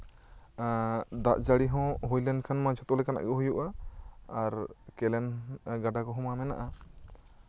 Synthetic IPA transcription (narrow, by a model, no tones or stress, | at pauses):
d̪aʔd͡ʒaɽiɦɔ̃ɦujlɛnkʰanmad͡ʒɔt̪ɔlɛkana̰ʔɡɛɦujuʔaː | ɾkɛlɛnɡaɖakɔɦɔ̃mamɛna̰ʔa